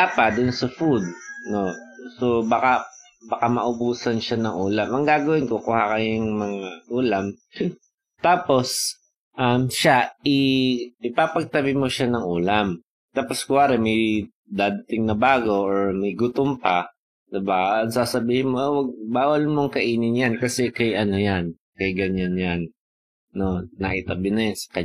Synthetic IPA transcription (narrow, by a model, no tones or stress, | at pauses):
apɐd̪ʊnsɐfud̪̚no̞sobaka | bɐkamɐʔʊbuːsɐnʃanɐŋʔuːlamʔɐŋɡaːɡɐwɪnkokʊːhakɐjaŋmɐŋaʔuːlɐm | t̪aːpo̞s | ʔɐmʃaʔɪɪpaːpɐɡ̚t̪ɐbɪmoʃanɐŋʔuːlɐm | t̪aːposkʊwaːɾɛmɐj | d̪aːd̪ɐt̪ɪŋnɐbaːɡo̞ʔoɹmɐjɡʊt̪ompa | d̪ɪbaɐŋsaːsɐbiːhɪnmowɐɡ̚baːwɐlmoŋkɐʔiːnɪŋjankɐsɛkɐjʔɐno̞jan | kɐjɡɐɲanjanː | o̞nɐ̰ʔɪt̪ɐbɪnɐjansɐ̥kɐ